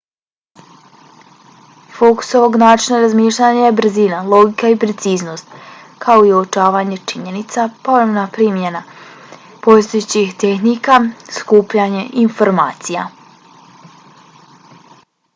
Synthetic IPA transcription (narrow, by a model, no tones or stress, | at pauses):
foku̥so̞ʋo̞ɡnaːt͡ʃinaɾazmiːʃʎʲaɲajebɾ̩zinalˠo̞ɡikaipɾe̞t̪siːzno̞ːst̪ | kʰao̞iot͡ʃaːʋaɲe̞t͡ʃiɲe̞nit̪sapo̞ʋɾemnapɾiːmjena | po̞st̪ojut͡ɕixt̪e̞xnikaskuːpʎaɲe̞ʔinfo̞ɾmaːt̪sija̰